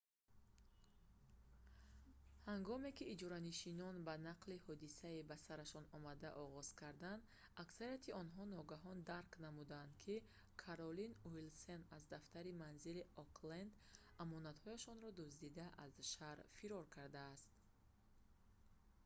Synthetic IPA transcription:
haŋɡɔme̞kiːd͡ʒɔɾaniʃinɔnbanaqlihɔd̪isaibasaɾaʃɔnɔmad̪aʔɔʁɔz̥kʰaɾd̪and̪ | aksaɾijat̪ʰiɔnɦɔnɔɡaɦɔnd̪aɾknamud̪aːnd̪kʰi | kʰaɾɔlinuilsenazd̪aft̪aɾimanziliɔkʰlend̪ | amɔnat̪hɔjaʃɔnɾɔd̪usd̪id̪aʔazʃaɾfiɾɔɾkʰaɾd̪aːst̪

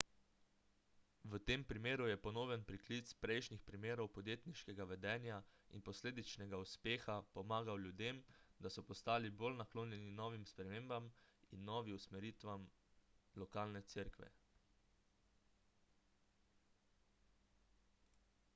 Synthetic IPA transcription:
ʋət̪eːmpɾimeːɾujɛpɔnoːjɛnpɾiklit̪spɾɛjʃnixpɾimeːɾɔwpɔd̪jeːt̪niʃkɛɡaʋɛd̪ɛːnjaḭnpɔsleːd̪it͡ʃnɛɡauspeːxapɔmaːɡawlʲjud̪emd̪asɔpɔst̪aːlibolnakloːnjɛninɔːʋimspɾɛmeːmbaminːɔːʋiwsmɛɾiːt̪ʋam | lɔkaːlnɛt̪siɾkʋɛ̰

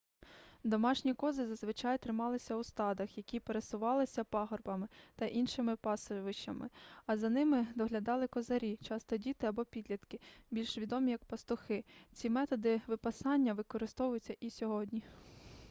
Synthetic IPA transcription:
d̪ɔmɑʃnʲikɔzɪzɐzʋɪt͡ʃɑjt̪ɾɪmɑlˠɪsʲɐwst̪ɑd̪ɐxjɐkʲipeɾesʊʋɑlˠɪsʲɐpɑɦɔrbɐmɪt̪ɐʔinʃɪmɪpɑsɪʋɪʃɐmɪ̰ɐzɐnɪmɪd̪ɔɦlʲɐd̪ɑlˠɪkɔzɐɾʲit͡ʃɑst̪ɔdʲit̪ɪɐbɔpʲid̪lʲɐt̪kɪbʲilʲʃʋʲid̪ɔmʲijɐk̚pɐst̪ʊxɪt͡sʲimɛt̪ɔd̪ɪʋɪpɐsɑnʲːɐʋɪkɔɾɪst̪ɔʋʊjʊt͡sʲːɐʔisʲɔɦɔdʲnʲi

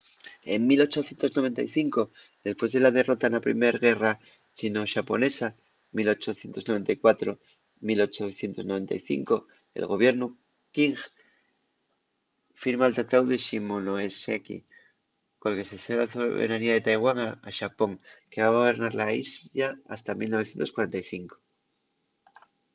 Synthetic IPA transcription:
eŋmilo̞t͡ʃo̞θjent̪o̞znoe̞nt̪aiθiŋko̞ | ðe̞spwe̞zðe̞laðe̞ro̞t̪anapɾḭme̞ɾɣe̞ra | t͡ʃinoʃapo̞ne̞sa | milo̞t͡ʃo̞θje̞nt̪o̞zno̞βe̞nt̪ajkwat̪ɾo | milo̞t͡ʃoθje̞nt̪o̞znoe̞nt̪a̰jθḭŋko̞ | ḛlɣo̞βje̞ɾnu | kiŋx | fiɾmaːlt̪at̪awðeʃimonoesekḭ | kolke̞seθelaasoβḛɾaniaðe̞t̪ajɣwaŋaaʃapo̞ŋke̞βaɣoβe̞ɾnaɾlaizʎaa̰st̪amilnoe̞θje̞nt̪oskwaɾe̞nt̪ajθiŋko̥

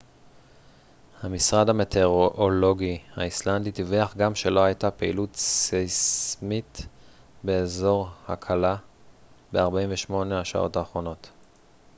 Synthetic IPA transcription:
hamisʁad̪hametʰe̞ʁoʔolo̞ɡihaislandit̪iveaχɡamʃe̞lo̞hajtapeḭlutsismit | be̞ːzo̞ʁhakʰala | beaʁbaiɱveʃmo̞nehaʃa̰ʔo̞̰taːχʁo̞no̞t

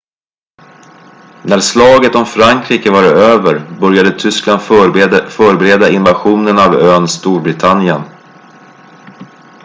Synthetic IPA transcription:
næɾslɑːɡət̪ɔmfɾaŋkʰɾiːkəvaɾøːvəɾbœɾjad̪ət̪ʰʏskland̪fœːɾbɛɾeːd̪aɪnvaɧuːnənavøːnst̪uːɾbɾɪt̪ʰanjən

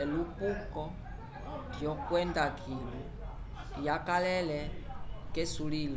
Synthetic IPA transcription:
ɛlupukɔ | djɔkwɛndakʰilu | jakalɛlɛkɛsuliːl

